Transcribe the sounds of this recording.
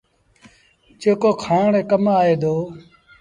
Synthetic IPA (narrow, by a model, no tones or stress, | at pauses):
d͡ʒeːkoːkʰaːɳeːkəmaːeːd̪oː